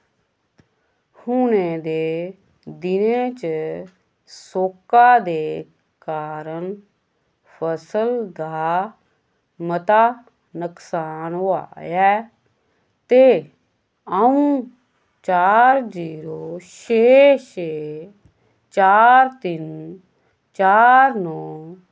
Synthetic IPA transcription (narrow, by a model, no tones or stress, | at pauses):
hʊnẽːd̪eː | d̪ɪnẽːt͡ʃ | soːkaːd̪eː | kaːɾəɳ | pʰəsəld̪aː | mət̪aː | nəksaːna̰ːjɛː | t̪eː | əũː | t͡ʃaːɾziːɾoːʃeːʃeː | t͡ʃaːɾt̪ɪn | t͡ʃaːɾnõː